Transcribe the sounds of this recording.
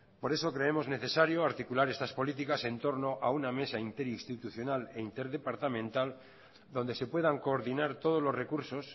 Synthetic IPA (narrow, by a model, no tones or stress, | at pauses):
po̞ɾe̞so̞kɾe̞emo̞zne̞θe̞saɾjoaɾt̪ikulaɾe̞st̪aspo̞lit̪̬ikase̞nt̪o̞ɾno̞ʔauname̞saint̪e̞ɾinst̪it̪uθjo̞nale̞int̪e̞ɾðepaɾt̪amẽnt̪al | d̪o̞nd̪e̞se̞pwe̞ðaŋko̞ːɾðinaɾt̪o̞ð̞o̞zlo̞zrekuɾso̞s